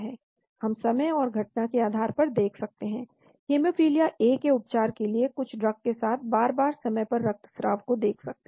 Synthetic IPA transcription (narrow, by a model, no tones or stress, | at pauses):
ɦɛː | hɐmsɐməjɔːɾɡʱɐʈ̚nakeaːd̪ʱaːɾpɐɾd̪eːkʰsɐk̚t̪eɦɛ̃ː | heːmofɾiːlijaʔeːkeʊp̚t͡ʃaːɾkeliekʊt͡ʃʰɖɾɐkːesaːt̪̚ʰbaːɾbaːɾsɐməjpɐɾːɐk̚t̪sɾa̰ːʋkod̪eːkʰsɐk̚t̪e